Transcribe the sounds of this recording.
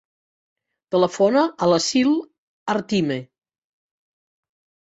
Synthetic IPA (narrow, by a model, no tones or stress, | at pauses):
t̪ələfonəələsilˠ | ərt̪ime